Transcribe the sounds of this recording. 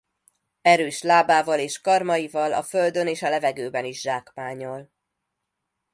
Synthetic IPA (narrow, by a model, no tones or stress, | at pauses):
ɛɾøːʃlaːbaːvɒleːʃkɒrmɒjivɒlɒ̰fø̞ld̪øneːʃɒlɛvɛɡøːbɛniʒʒaːkmaːɲo̞l